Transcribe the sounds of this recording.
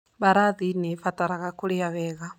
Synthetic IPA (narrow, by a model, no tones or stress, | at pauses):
βaɾaðinɛfataɾaɣakuɺiaβɛːɣa